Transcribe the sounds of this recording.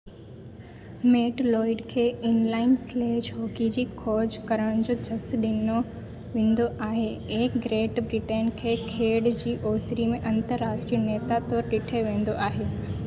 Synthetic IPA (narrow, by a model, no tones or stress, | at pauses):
meːʈlɔːɪɖkʰeːɪnlaːɪnsleːd͡ʑɦoːkid͡ʑiːkʰɔːd͡ʑkɐɾəɽ̃d͡ʑoːd͡ʑʰʱɐsɗɪno | ʋẽːn̆d̪oʔaːɦeekɡɾeːʈbɾɪʈenkʰeːkʰeːɽd͡ʑiːʔoːsɾimẽʔɐ̃nt̪əɾːaːʃʈɾiːneːt̪at̪ɔːɾɗɪʈʰeʋẽːn̆d̪oʔaːɦeː